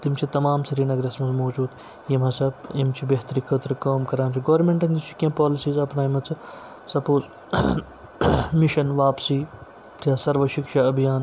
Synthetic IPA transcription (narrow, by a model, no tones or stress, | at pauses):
t̪imt͡ʃʰit̪ɐmaːmsɐɾiːnɐɡɾɐsmɐnzmoːd͡ʒuːd̪ | jimɐsɐbimt͡ʃʰibeɦt̪ɐɾikʰɐt̪ɾkaːmkɐɾaːnt͡ʃʰiɡɐːɾmẽɳʈɐnd̪ist͡ʃʰi̥kʲẽːpaːlɪsiːzɐpnaːimɐt͡sʰɐ | sɐpoːz | miʃɐnʋaːpsiː | t̪jaːsɐɾʋɐʃikʃaɐbʱijaːn